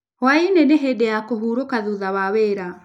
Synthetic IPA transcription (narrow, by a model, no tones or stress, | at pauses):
wainɛneɦedɛjakoɦuɾokaðuðawaweɾa